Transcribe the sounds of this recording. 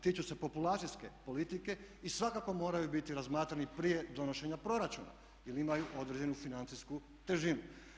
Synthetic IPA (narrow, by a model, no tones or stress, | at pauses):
t̪iːt͡ʃuse̞po̞pulat̪siske̞po̞lit̪ike̞isʋakakomo̞ːɾajubit̪iɾazmaːt̪ɾanipɾije̞d̪o̞no̞ʃe̞ɲapɾo̞ɾat͡ʃṵna̰ | jelimajuʔo̞d̪ɾed͡ʑe̞nufinant̪sisku | t̪eʒinu